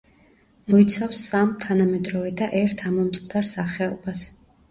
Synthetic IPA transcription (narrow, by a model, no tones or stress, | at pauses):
mɔit̪sʰafsamt̪ʰanamɛd̪ɾɔvɛd̪aʔɛɾt̪ʰamɔmt̪sʼqʼd̪aɾsaχɛɔbas